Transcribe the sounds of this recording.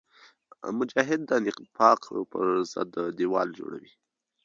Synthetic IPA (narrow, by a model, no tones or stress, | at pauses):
mʊd͡ʒɑːɦɪd̪̚ːanɪqpʰɑqpə̰ɾzə̰d̪əd̪iwɑld͡ʒo̰ɽa̰wi